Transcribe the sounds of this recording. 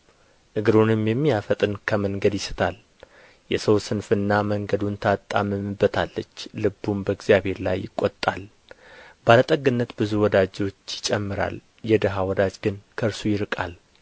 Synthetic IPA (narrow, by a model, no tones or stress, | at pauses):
ʔɨɡɨɾunɨmjɛmːijafət̪ʼɨnkʰəməŋɡəd̪jɪsɨ̥t̪ʰal | jɛsəwsɨnfɨnːaməŋɡəd̪unt̪ʰat̪ʼːamɨmɨbːət̪ʰalːət͡ʃːlɨbːumbəɡzjaβhe̞ɾla̰jːɪkʼːot̪ʼːal | balət̪ʼəɡɨnːət̪bɨzuwɔd̪ad͡ʒo̞t͡ʃːjɪt͡ʃʼɛmːɨɾa̰l | jɛd̪əɦawɔd̪ad͡ʒɡɨnkʰəɾsujɪɾɨkʼal